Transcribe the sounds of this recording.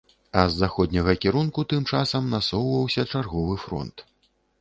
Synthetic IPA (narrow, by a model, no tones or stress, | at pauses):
ɐzːaxɔd̪ʲnʲɐɣɐkʲɛɾunkut̪ɨmt͡ʂasɐmnasɔwvɐwsʲɐt͡ʂarɣɔvɨfɾɔ̰nt̪